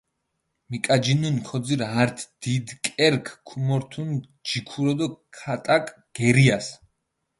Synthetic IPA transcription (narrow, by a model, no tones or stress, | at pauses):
mikʼad͡ʒinunkʰɔd̪ziɾɦaɾt̪ʰd̪̥id̪kʼɛɾkʰkʰumɔɾt̪ʰun | d͡ʒikʰuɾɔd̪ɔkʰat̪ʼakʼ | ɡ̥ɛɾias